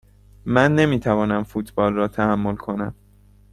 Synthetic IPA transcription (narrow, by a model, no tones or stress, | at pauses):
mænːe̞miːt̪ʰævɒːnæmfuːt̪ʰb̥ɒːlrɒːt̪ʰæhæmːo̞lkʰo̞næ̰m